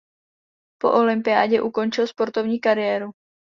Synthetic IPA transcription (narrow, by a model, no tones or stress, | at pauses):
po̞̰ʔolɪmpɪa̰ːɟɛʔuko̞nt͡ʃɪlspo̞ɾt̪o̞vɲiːkaɾɪjɛːɾu